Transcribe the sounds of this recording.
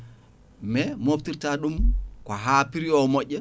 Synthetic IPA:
mɛmoftiɾtaɗumkɔɦaːpiɾiɔmɔʔːɛ

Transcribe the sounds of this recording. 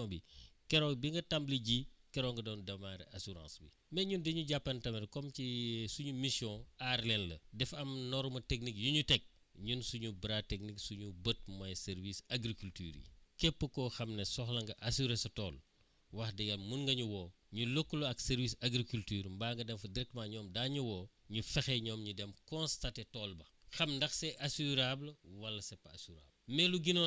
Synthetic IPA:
bikɛɾɔːbiŋɡɐtɐmbliɟikɛɾɔːŋɡɐdɔːndɐmaːɾɛ̰asuɾã̰ːsbi | mɛɲundiɲuɟapːɐntɐmɛɾkɔmcisuɲumisjɔ̃aɾlɛnlɐ̰dɛfɐmnɔɾmɐtek̚nikjuɲutɛk̚ | ɲunsuɲubɾatek̚niksuɲubət̚mɐjsɛɾvisaɡɾikulty̰ːɾḭkɛpːəkɔxɐmnesɔxlɐŋɡɐʔasuɾesɐtɔːl | wɐxdɛɡɐlmunŋɡɐɲuwɔː | ɲulokːloɐksɛɾvisɐɡɾikultyːɾmbaːŋɡɐdɛmfɐdiɾɛk̚tmaɲɔːmdaːɲuwɔː | ɲufɛxɛɲɔːmɲudɛmkɔ̃nstatetɔːlbɐxɐmndɐxsɛʔasuɾablwɐlːɐsɛpɐasuɾa̰blmɛluɡinɔ

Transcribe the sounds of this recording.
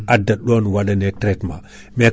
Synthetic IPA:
adaɗonwaɗanetɾetma | me

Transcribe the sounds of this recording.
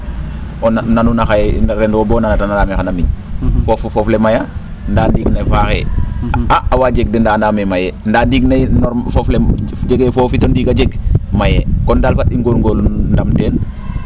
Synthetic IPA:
onnanunaxajɾɛndobonanatanadaːmexanamiɲfoffɔflemaja | ndandiːɡnafaːxḛ | aawaːd͡ʒeɡ̚dɛndaːndaːmemajɛndaːdiɡnejnɔɾfofled͡ʒeɡefofitondiːɡad͡ʒeɡmajɛkɔndaːlfatːiŋɡolŋɡolndamteːn

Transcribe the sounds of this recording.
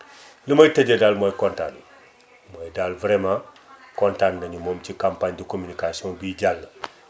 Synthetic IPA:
ləmɐjteɟedalmojkɔnta̰n | mojdalvɾemã | kɔntannɐɲumoːmt͡ʃikampaɲdikominikasiɔ̃ŋbiɟalːɐ

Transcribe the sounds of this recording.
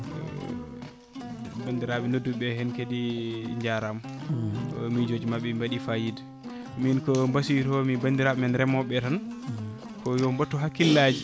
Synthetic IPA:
bandiɾaɓɛnodːuɓɛhɛnkediɲd͡ʒaɾam | mid͡ʒod͡ʒimaɓːɛmbaɗifajid | minkɔmbasiɾɔmibandiɾaɓɛmɛnɾɛmɔɓɛtan | kɔjɔmbatːɔɦakːilːad͡ʒi

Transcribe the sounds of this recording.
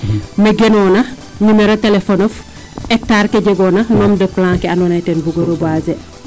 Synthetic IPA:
meɡenɔnɐ | ɲumeɾotelefonɐf | ɛk̚taːɾkeɟeɡɔnɐnɔːmdəplãːŋkɛanɔnɐjtɛnbuɡoɾobaze

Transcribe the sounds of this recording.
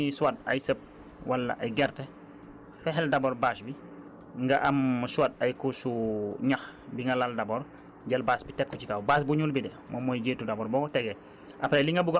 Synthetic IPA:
isuwat̚ɐ̰jsəp̚ | walːɐ̰ʔɐjɡɛrtɛ | fɛɦɛldɐbɔɾbaːsbi | ŋɡɐʔɐmswɐt̚ɐjkusuɲɐxbiŋɡɐlaldɐbɔɾ | ɟɐlbaːsbitɛp̚kɔcikaːwbaːs̬buɲulbidɛ | mʔɔmɔjɡeːtːudɐbɔːɾbɔːkɔtɛɡɛ | ʔɐpɾɛliŋɡɐbuɡ

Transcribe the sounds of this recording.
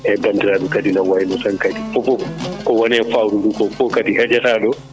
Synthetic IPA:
ʔɛbandiɾaɗukadinawajinɔsaŋkadipɔpɔkɔwɔnɛfawɾuɗukɔfɔkadihɛd͡ʒɛtaɗɔ

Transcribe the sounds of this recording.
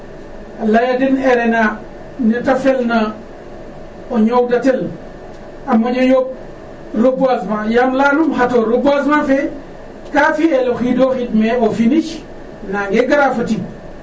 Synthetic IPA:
alajadineɾena | nitafelna | oɲowdatel | amoɟajob̚ | ɾobasmajamlanumɦatoɾobasmafe | kafieloxidoːxitmeofiniʃ | naŋɡeɡaɾafati

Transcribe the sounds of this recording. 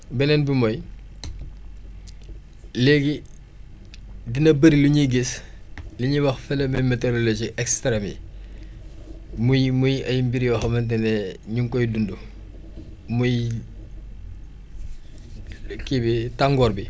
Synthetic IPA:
bɛnɛnbimɔj | lɛɡi | dinɐbɐɾiluɲiɡisliɲiwɐxfɛlɐmɛmeteɾolod͡ʒiʔɛkstɾɛmḭ | mujmujɐjmbiɾjɔxɐmɐnt̬ɛnɛɲuŋkɔjdundu | muj | kːibitaŋɡɔrbi

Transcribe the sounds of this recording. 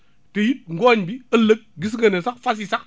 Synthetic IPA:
təjit̚ŋ̩ɡoɲbiɐlək̚ɡis̬ŋɡənesak̚fas̬isak̚

